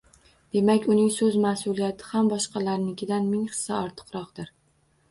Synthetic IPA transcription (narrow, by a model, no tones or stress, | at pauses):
d̪̥e̞makʲʊnɪŋsɵzmasʊlijat̪ʰɪ̥hambɒʃqɑlaɾnɪkʲʰɪd̪anmɪŋχɨ̥sːaɒɾt̪ʰɨ̥qɾɒqd̪ɪɾ